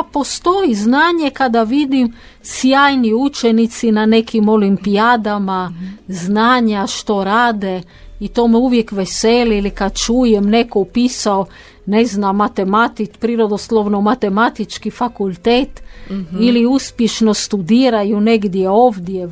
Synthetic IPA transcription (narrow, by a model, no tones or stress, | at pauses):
po̞st̪ojiznaːɲekad̪aʋid̪im | sjaːjniut͡ʃenit̪sinane̞kimo̞limpijad̪amaznaːɲaʃt̪o̞ɾaːd̪e | it̪oːmɛuʋjekʋeseliilikad̪̚t͡ʃuːjemnekoupiːsao | neznamːat̪emat̪ipɾiːɾod̪oslˠoʋnomat̪e̞mat̪it͡ʃkifakulˠt̪eːt̪iliuspjeʃnost̪ud̪iːɾajuneɡd̪jeoːʋd̪je